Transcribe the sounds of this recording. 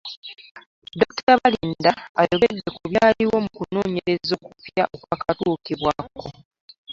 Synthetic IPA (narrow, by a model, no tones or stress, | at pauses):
do̞kuteɾaβaliːndaajo̞βedːekuβjaːliwo̞mukuno̞ːɲe̞ɾe̞zokufjaʔo̞kwaːkatuːkiβwako̞